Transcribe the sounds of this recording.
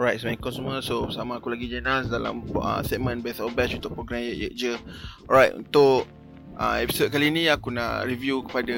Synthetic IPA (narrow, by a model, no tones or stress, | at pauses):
ɾajt̚səmaĩkɔnsumuəsosamaːkulaɡid͡ʒanasdala̰mə̰stɛt̚mə̃nbɛθɔlbɛt͡ʃunt̪ʊʔpɾoɡɾamjəʔjə̰ʔ̚d͡ʒəɔɹajtṵnt̪ʊʔ | ʔa̰ɛpi̥sod̚kaliːnĩakuna̰ʔɾivjukə̥pada